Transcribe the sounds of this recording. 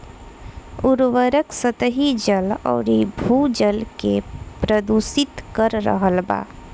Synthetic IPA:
uɾʋəɾəksət̪əɦid͡ʒəlɔ̰ːɾibʱud͡ʒəlkepɾəd̪usit̪kəɾːə̰ɦəlba̰

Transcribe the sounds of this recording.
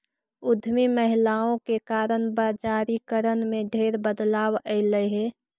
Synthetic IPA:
ʊd̪ʱmiməɦɪlaːõkekaːɾənbaːd͡ʒaːɾikəɾənmẽɖʱeːɾbəd̪laːwəɪləɦe

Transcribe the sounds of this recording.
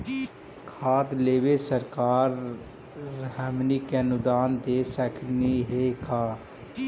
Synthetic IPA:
kʰaːd̪leːbesəɾkaːɾː | ɦɛmnikeɐnʊd̪aːnd̪eːsəkʰniɦekaː

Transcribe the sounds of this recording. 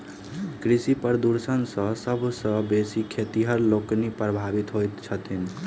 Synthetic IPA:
kɾisipəɾd̪uɾsənsə̃səbʱsə̃besikʰet̪iɦəɾloknipɾəbʱabit̪ɦojt̪t͡ʃʰət̪ʰin

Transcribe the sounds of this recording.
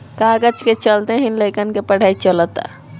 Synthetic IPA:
kaɡət͡ʃket͡ʃəlt̪eɦinləkənkepəɽ̤ait͡ʃələt̪a̰

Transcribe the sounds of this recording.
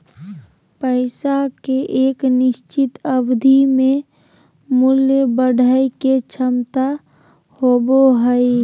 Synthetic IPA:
pəɪsakeʔeːknɪst͡ʃit̪əbd̪ʱime | muljəbəɖʱəjket͡ʃʰəmt̪a | hoboɦəj

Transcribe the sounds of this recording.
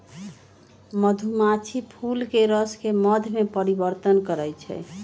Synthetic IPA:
məd̪ʱumat͡ʃʰipʰulkeɾəskeməd̪ʱmepəɾibəɾt̪ənkəɾɛjt͡ʃʰɛ̰

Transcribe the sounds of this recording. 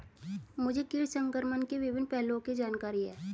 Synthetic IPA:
mʊd͡ʒʱekɪɾsə̃ŋkəɾmənkeʋɪʋɪnpɛɦlõked͡ʒaːnkaːɾiɦɛː

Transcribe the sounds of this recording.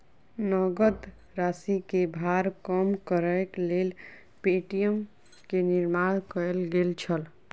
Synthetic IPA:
nəɡəd̪ | ɾasikebʱaɾkəmkəɾəklel | peʈijəm | keniɾmaɽ̃kəlɡelt͡ʃʰəl

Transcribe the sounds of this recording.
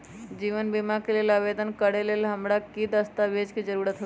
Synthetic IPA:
d͡ʒiʋənbimakeleləʋed̪ənkəɽelelɦəmɽakid̪əst̪aʋed͡ʒkid͡ʒəɾuɾat̪ɦot̪

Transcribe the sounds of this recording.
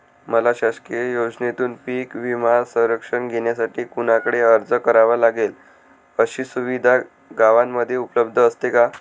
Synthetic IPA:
məlaɕaskiəjod͡ʑnet̪uːnpiːkʋimaɾsə̃w̃ɾəkʂəɳɡʱeɳjasaʈiːkuñakəɽeəɾd͡zəkəɾaʋalaɡel | əɕiːsuʋid̪ʱa | ɡaʋamːəd̪ʱːjeupələb̚d̪ʱəːst̪eka

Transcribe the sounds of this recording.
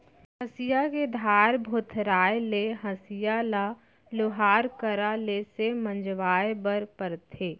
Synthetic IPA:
həsɪjaked̪ʱaːɾbʱot̪ʰɾaːjeleɦɐsijala | lʊɦaːɾkəɾalesemə̃nd͡ʒʋaːjebəɾpəɾt̪ʰeː

